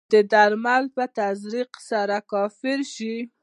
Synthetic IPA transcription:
d̪əd̪aɾmalpət̪azɾiqsaɾakɑfɪɾʃi

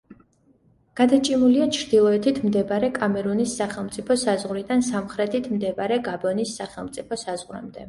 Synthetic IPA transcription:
ɡ̥ad̪at͡ʃʼimuliat͡ʃʰɾd̪̥ilˠɔɛt̪ʰit̪ʰmd̪ɛbaɾɛkʼamɛɾunisːaχɛlˠmt̪sʼipʰɔsazʁɾid̪ansamχɾɛt̪ʰit̪ʰmd̪ɛbaɾɛɡabɔnisːaχɛlˠmt̪sʼipʰɔsazʁɾa̰md̪ɛ

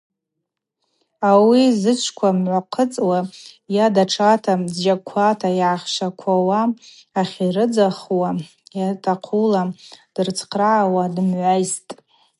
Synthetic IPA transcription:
awizɨt͡ʃʷʰkʷʰamʕʷaqʰət͡sʼwajadaʈ͡ʂʰatʰadd͡ʒakʷʰatʰajʕaχʃakʷʰawaː | χʲirɨd͡zaχwa | jatʰaqʰulad̥ɨrt͡sʰqʰraʕawadɨmʕʷajstʼ

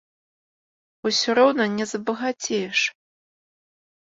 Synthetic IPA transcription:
usʲɔɾɔwnɐnʲɛzɐbɐɣat͡sʲejɛʂ

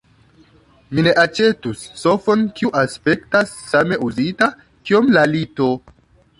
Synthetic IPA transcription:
mine̞ʔat͡ʃe̞tusːo̞fo̞nkiuʔaspe̞ktasːame̞uzita | kio̞mlalito̞

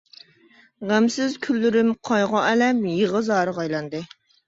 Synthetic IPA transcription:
ʁæmsɪzkʲʰylːyɾymqʰɑjʁɑʔɛlɛmjəʁəzɑːɾɨʁɑjlˠɑnd̪ɨ

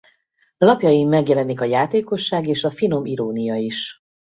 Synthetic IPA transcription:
lɒpjɒjimːɛɡjɛlɛnikɒjaːt̪eːko̞ʃːaːɡeːʃɒfino̞miɾoːnijɒiʃ

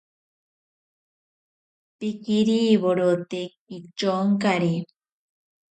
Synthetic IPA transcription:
pikiɾiβoɾot̪e | it͡ʃoŋkaɾe

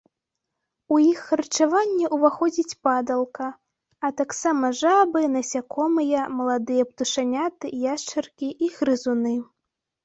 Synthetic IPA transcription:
ujixːɐrt͡ʂavanʲːɛʔuvaxɔd͡zʲit͡sʲpad̪ɐlˠkɐ | ɐt̪aksamɐʐabɨnɐsʲakʰɔmɨjɐmɐlˠad̪ɨjɐpt̪uʂanʲat̪ɨjaʂt͡ʂɐrkʲiʔiɣɾɨzunɨ

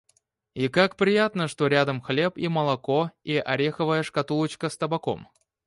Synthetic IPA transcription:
ikakpɾʲɪjat̪nəʂt̪oɾʲad̪əmxlʲepiməlˠɐkoiʔɐɾʲexəvəjəʂkɐt̪ulˠət͡ɕkəst̪əbako̰m

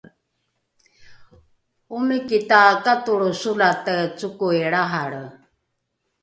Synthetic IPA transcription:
umikit̪akat̪uɺusulat̪ət͡sukueɺaɦaɺə

